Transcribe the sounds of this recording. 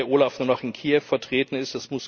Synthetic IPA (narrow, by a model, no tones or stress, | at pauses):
ɐʔoːlafnuːɐnɔχɪnkʰiːɛfːɛɐtʁ̥eːtn̩ɪstasmʊs